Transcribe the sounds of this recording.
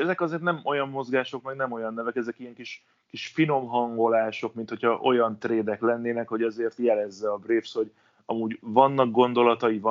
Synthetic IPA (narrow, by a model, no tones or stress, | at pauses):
ɛzɛkɒzeːrt̪nɛmo̞jɒmːo̞zɡaːʃo̞kmɛɡnɛmo̞jɒnːɛvɛkɛzɛkijɛŋkiʃ | kiʃfino̞mɦɒŋɡo̞laːʃo̞kmint̪ho̞cʰhɒʔo̞jɒnt̪reːd̪ɛklɛnːeːnɛkho̞ɟɒzeːrt̪jɛlɛzːɛɒbreːfsho̞ɟ | ɒmuːɟvɒnːɒk̚ɡo̞nd̪o̞lɒt̪ɒjivɒ